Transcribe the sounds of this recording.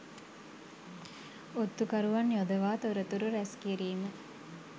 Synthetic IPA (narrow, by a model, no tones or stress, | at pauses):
ot̪ːukaɾuʋanjod̪əʋaːt̪oɾət̪uɾuɾæskiɾiːmə